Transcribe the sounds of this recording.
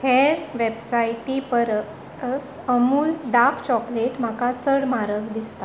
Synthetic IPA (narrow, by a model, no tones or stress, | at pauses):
heɾʋebsajʈipəɾ | əs | əmuːlɖakt͡ɕɔkleʈm̤akat͡səɽmaɾəkd̪ist̪a